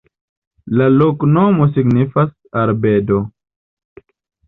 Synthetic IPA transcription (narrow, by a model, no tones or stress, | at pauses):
laloknomosiɡnifas | aɾbedo